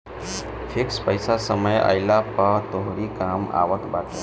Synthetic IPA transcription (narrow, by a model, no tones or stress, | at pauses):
fʰikspəjsasəməja̰jlapət̪oɦoɽikama̰ʋək̪bat̪ḛ